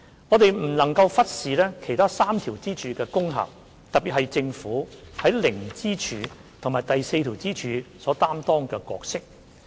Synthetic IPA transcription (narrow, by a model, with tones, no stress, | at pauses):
ŋɔː˨˧t̪e˨jm̩˨˩nɐ˨˩ŋkɐ˧wfɐ˥t̚siː˨lɛː˥kʰe˨˩jt̪ʰaː˥saː˥mt̪ʰiː˨˩wt͡siː˥t͡ʃʰyː˨˧kɛː˧kʊ˥ŋɦɐ̰˨˩p̚ | t̪ɐ˨k̚pi˨hɐ˨jt͡sɪ˧ŋfuː˨˥hɐ˨˥jlɪ˨˩ŋt͡siː˥t͡ʃʰyː˨˧t̪ʰʊ˨˩ŋmaː˨˩jt̪ɐ˨jse˧jt̪ʰiː˨˩wt͡siː˥t͡ʃʰyː˨˧sɔː˨˥t̪aː˥mt̪ɔː˥ŋkɛː˧kɔ̰ː˧k̚sɪ˥k̚